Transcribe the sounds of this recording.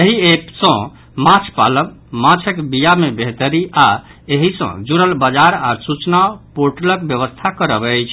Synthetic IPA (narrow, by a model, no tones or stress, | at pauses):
jeɦiepsə̃ | mãt͡ʃʰpa̰ləm | mãt͡ʃʰəkbijamebeɦt̪əɾia | eɦisə̰̃d͡ʒuɾəlbəd͡ʒaɾaɾsut͡ʃnapoɾʈələk̚bjəβəst̪ʰakəɾəbɛjt͡ʃʰ